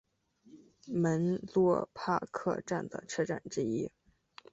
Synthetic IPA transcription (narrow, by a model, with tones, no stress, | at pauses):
mə˧˥nlwɔ˥˧pʰa̰˥˧kʰɤ̰˥˧ʈ͡ʂa˥˩nd̪ə̰˩ʈ͡ʂʰɤ˥˧ʈ͡ʂa̰˥˩nʈ͡ʂɻ̩˥i˥